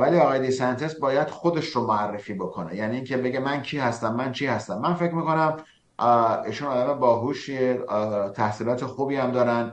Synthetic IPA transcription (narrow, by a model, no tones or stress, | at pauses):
væliːɒɣɒːjed̪isænt̪ʰesbɒːjæd̪̥xo̞d̪e̞ʃɾomoærːefiːbo̞kʰo̞nejæniːŋcʲʰebe̞ɟemæncʰiːhæst̪æmːænt͡ʃʰiːhæst̪æmːænfecmiːko̞næm | ḭːʃunɒːd̪æmebɒːɦuːʃiet̪ʰæhsiːlɒːt̪ʰexuːbiːæmd̪ɒːɾænd̪